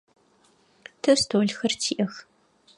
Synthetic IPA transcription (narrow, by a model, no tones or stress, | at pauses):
tʰɨstʰoːɮxɐrtʰiːʔɐx